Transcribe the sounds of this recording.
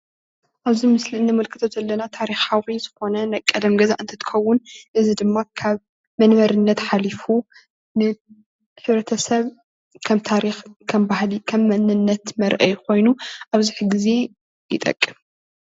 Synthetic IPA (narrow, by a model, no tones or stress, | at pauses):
ʔaβzimɨsliɨnːɨmɨlkʰɨt̪ʰozɐlːɐnat̪ʰaɾixawiz̥ɨxo̞nɐnajkʼːɐd̪ɐmɡɐza̰ʔɨnt̪ʰɐ̥t̪ʰɨ̥xʰɐwːʊnʔɨzid̪ɨmːakʰaβ | mɐnβɐɾɨnːɐt̪ħalifu | nɨ | ħɨβɾɐt̪ʰɐsɐβ | kʰɐmt̪ʰaɾixkʰɐmbahlikʰɐmːɐnɨnːɐt̪mɐɾʔɐ̰jkʰo̞jnuʔaβziħɨɡize̞ | jɪ̰t̪ʼɐ̰kʼːɨm